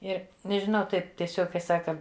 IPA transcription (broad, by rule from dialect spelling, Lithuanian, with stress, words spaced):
ˈɪr nʲɛʒʲɪˈnɐʊ ˈtɐɪp tʲiɛˈsʲoːk kɐɪ ˈsɑːkɐ